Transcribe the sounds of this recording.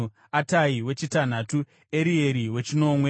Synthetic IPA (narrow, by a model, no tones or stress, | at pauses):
ataiwe̞t͡ʃitan̤atu | e̞ɾie̞ɾiwe̞t͡ʃino̞mwe̞